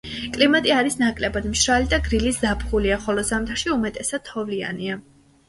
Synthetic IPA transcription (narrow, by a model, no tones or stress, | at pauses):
kʼlimat̪ʼiaɾisnakʼlɛbad̪mʃɾalid̪aɡɾilisd̪apχuliaχɔlɔzamt̪ʰaʃiumɛt̪ʼɛsad̪̥̚ʰɔvlia̰nia